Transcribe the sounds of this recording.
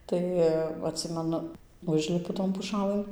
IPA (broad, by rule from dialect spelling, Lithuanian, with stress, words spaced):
ˈtɐɪ ɐtʲˈsʲɪmʲɛnʊ ˈʊʒʲlʲɪpʊ toːn pʊˈʃɑːlˠɘn